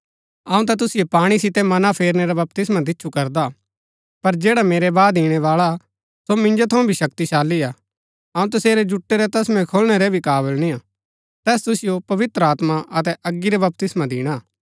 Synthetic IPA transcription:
ɐũt̪̬at̪̬ʊsɪjopaːɽ̃isɪt̪ɛmɐnapʰeːɾneɾabɐp̚t̪ɪsmad̪̬ɪːʃʰukɐɾd̪a | pɐɾd͡ʒeːɽameːɾɛbaːd̪iːɽ̃ɛʋaːɭa | somɪ̃nd͡ʒot̪ʰɐũbʱiʃɐkt̪iʃaːlːia | ɐũt̪ɐseːɾɛd͡ʒʊʈːeɾɛt̪ɐsmɛ̃kʰolɽ̃eɾɛbʱikaːβəlnĩa | t̪ɛːst̪ʊsɪjopɐʋɪt̪ɾəaːt̪maɐt̪ɛʔɐɡːiɾɛbɐp̚t̪ɪsmãd̪iːɽ̃a

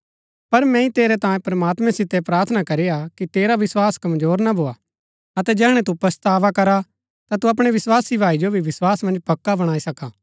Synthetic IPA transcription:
pɐɾmɛ̃ːĩt̪eːɾɛt̪ãːjẽpɾɐmaːt̪mɛ̃sɪt̪ːɛpɾaːɾt̪ʰnakɐɾejakit̪eːɾaʋɪswaːskɐmzoːɾnabʱoːa | ɐt̪ɛd͡ʒɛːɦɽ̃ɛ̃t̪upɐst̪aːʋakɐɾa | t̪at̪uɐp̬ɽ̃eʋɪswaːsibʱaːid͡ʒobʱiʋɪswaːsmɐ̃nd͡ʒpɐkːabɐɽ̃aːisɐkaː

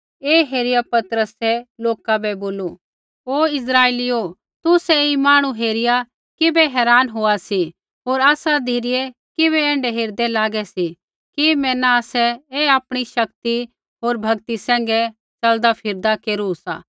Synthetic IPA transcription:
eːɦeːɾɪjapɐt̪ɾəsɛloːkabɛboːlu | oːɪs̬ɾaːelio | t̪ʊsɛimaːɽ̃ũɦeːɾɪja | kɪbɛɦɛːɾaːnɦoːasi | ɦoːɾaːsad̪ʱiːɾɪe | kɪβɛɛ̃ːɳɖɛɦeːɾd̪ɛlaːɡɛsi | kimɛ̃ːnaaːsɛeaːpɽ̃iʃɐk̚t̪i | ɦoːɾbʱɐɡt̪isɛ̃ːŋɡɛ | t͡ʃɐld̪apʰɪɾd̪akeːɾusa̰ː

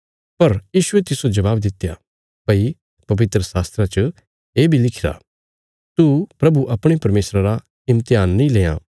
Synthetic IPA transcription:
pɐɾjiːʃʊet̪ɪsod͡ʒɐʋaːbd̪ɪt̪ːja | pɐi | pɐʋɪt̪ɾəsaːst̪ɾat͡ʃə | eːbʱilɪkʰɪɾa̰ | t̪upɾɐbuʔɐpɽ̃epɐɾmeːsɾaɾa | ɪ̃mt̪ɪjaːnːĩleːã̰ː

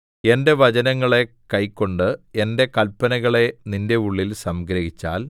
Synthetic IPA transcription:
e̞nde̞ʋɐd͡ʑɐnɐŋːɐɭe̞ | kɐjkːo̞ɳɖɨe̞nde̞kɐlpːɐnɐɣɐɭe̞ninde̞uɭːilsɐmɡɾɐɦit͡ɕːa̰ːl

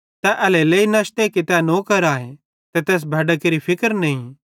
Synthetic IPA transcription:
t̪ɛʔɐleleːinɐʃt̪ekit̪ɛnoːkɐɾaːẽ | t̪et̪eːs̬bʱɐɖəkeɾipʰɪkəɾnɐĩ

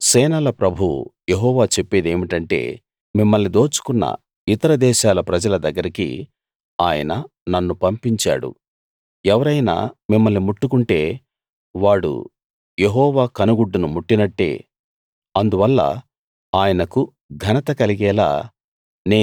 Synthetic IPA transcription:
sɛːnɐlɐpɾɐbʱujeɦɔːʋaːt͡ʃepːeːd̪e̞ːmiʈɐɳʈe̞̰ː | mimːɐlnid̪o̞ːt͡ʃu̥kunːɐ̰ | it̪ɐɾɐd̪ɛːʃaːlɐpɾɐd͡ʒɐlɐd̪ɐɡːɐɾikḭ | aːjɐ̰nɐ | nɐnːupɐmpiɲt͡ʃa̰ːɽṵ | ɛʋɐɾɐjna̰ːmimːɐlnimuʈːukuɳʈe̞ː | ʋaːɽṵ | je̞ɦɔːʋaːkɐnuɡuɖːunumuʈːinɐʈːe̞̰ː | ɐnd̪uʋɐlːɐ̰ | aːjɐnɐku | ɡʱɐnɐt̪ɐkɐliɡɛːla̰ː | neː

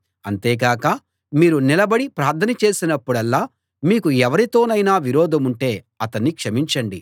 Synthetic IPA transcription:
ɐnt̪eːɡaːkɐ | miːɾunilɐbɐɽipɾaːɾt̪ʰɐnɐt͡ʃe̞ːsinɐpːuɽɐlːaː | miːkuɛʋɐɾit̪o̞ːnɐjnaːʋiɾɔːd̪ʱɐmuɳʈeː | ɐt̪ɐnːikʂɐmiɲt͡ʃɐɳɖi

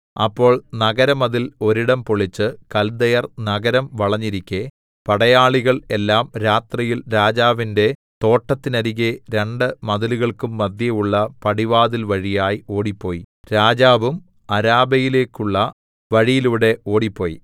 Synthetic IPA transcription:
ɐ̰pːo̞ːɭnɐɣɐɾɐmɐðilo̞ɾiɽɐmpoɭit͡ɕːɨkɐld̪ɐjɐrnɐɡɐɾɐmʋɐɭɐɲːiɾikʲːe | pɐɽɐjaːɭiɣɐɭe̞lːaːmɾaːt̪rijilɾaːd͡ʑaːʋinde̞t̪o̞ːʈːɐt̪ːinɐɾiɣeɾe̞ɳɖɨmɐðɐluɣɐɭkumːɐd̪jɐjuɭːɐpɐɽiʋaːðilʋɐɻijaːjio̞ːɽipːo̞ːji | ɾaːd͡ʑaːʋum | ɐɾaːbɐjile̞ːkːuɭːɐ | ʋɐɻijiluʋɽe̞ʔo̞ːɽipːoːji

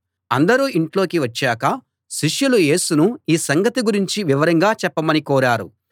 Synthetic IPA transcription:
ɐ̰nd̪ɐɾuːiɳʈlo̞ːkiʋɐt͡ʃːaːkɐ | ʃiʂjuluje̞ːsunuiːsɐŋɡɐt̪iɡuɾiɲt͡ʃiʋiʋɐɾɐŋɡaːt͡ʃɛpːɐmɐnikɔːɾaːɾṵ

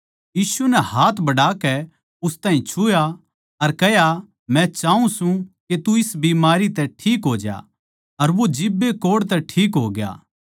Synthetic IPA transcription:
jiːsunɛhaːt̪ʰbɐɽaːkɛ | ʊst̪aːɦĩt͡ʃʰʊja | ɐɾkɛɦja | mɛ̃t͡ʃaːũsũket̪uɪsbiːmaːɾit̪ɛʈʰiːkɦoːd͡ʒja̰ | ɐɾʋod͡ʒɪbːekoːɽt̪̬ɛʈʰiːkɦoːɡja̰ː

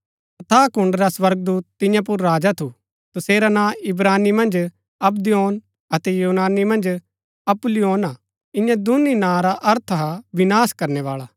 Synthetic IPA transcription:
ɐt̪ʰaːkʊ̃ɳɖɾasʋɐɾɡ̚d̪uːt̪ːɪ̃jãp̬ʊɾːaːd͡ʒat̪ʰu | t̪ʊseːɾanãːɪbɾaːnimɐ̃nd͡ʒ | ɐbd̪ijoːn | ɐt̪ɛjuːnaːnimɐ̃nd͡ʒ | ɐplijoːnaː | ɪ̃jãd̪ʊninãːɾaʔɐɾt̪ʰɦaʋɪnaːskɐɾnɛʋaːɭaː

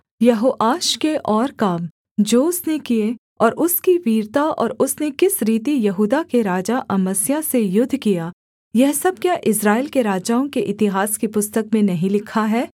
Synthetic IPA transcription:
jɐɦoːʔaːʃkeʔɔːɾkaːm | d͡ʒoːʊsnekie | ɔːɾʔʊskiʋiːɾt̪aʔɔ̰ːɾʊsnekɪsɾiːt̪ijɐɦuːd̪akeɾaːd͡ʒaʔɐməsjasejʊd̪ʱːkijaː | jɛɦsɐb̚kjaʔɪsɾaːeɪlkeɾaːd͡ʒaːõkeʔɪt̪ɪɦaːskepʊst̪əkmẽnɐɦĩlɪkʰaɦɛː

